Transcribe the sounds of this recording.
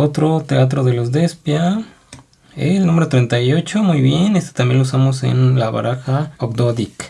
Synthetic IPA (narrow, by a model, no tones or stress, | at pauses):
o̞t̪ɾo̞t̪eat̪̬ɾo̞ðe̞lo̞zd̪espja | ḛlnũme̞ɾot̪ɾe̞nt̪ajo̞t͡ʃo̞mujβje̞nest̪e̥t̪amje̞nlousamo̞se̞̰nlaβa̰ɾaxaok̚d̪oðik